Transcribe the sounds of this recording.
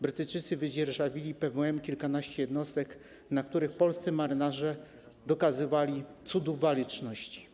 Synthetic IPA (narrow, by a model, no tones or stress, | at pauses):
bɾɘt̪ɘjt͡ʂɘt̪sɘvɘd͡ʑɛɾʐavʲilʲipɛvɛmkʲilkanaɕt͡ɕɛjɛd̪nɔst̪ɛk | nak̚t̪uɾɘxpɔlst̪sɘmaɾɘnaʐɛ | d̪ɔkazɘvalʲit̪sud̪uvalʲit͡ʂnɔɕt͡ɕi̥